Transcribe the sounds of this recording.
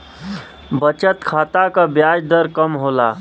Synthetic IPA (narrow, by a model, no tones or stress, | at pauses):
bət͡ʃət̪kʰat̪akabjad͡ʒd̪əɾkəmɦola